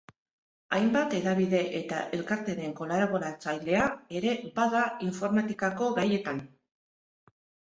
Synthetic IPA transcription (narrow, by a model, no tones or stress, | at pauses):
ajmbat̪e̞ðaβ̞iðe̞ʔe̞t̪a̰ʔe̞lkaɾt̪e̞ɾe̞ŋko̞laɾeɣo̞ɾat͡sajle̞ae̞ɾe̞baðaiɱfo̞ɾmat̪ikako̞ɣaje̞t̪an